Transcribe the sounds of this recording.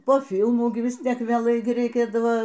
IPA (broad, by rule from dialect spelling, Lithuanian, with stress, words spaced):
poː ˈfʲɪlˠmuː ˈɡʲɪ ˈʋʲɪs ˈtʲiɛk ʋʲeːˈlˠɐɪ rʲɛɪˈkʲeːdɐʋɐ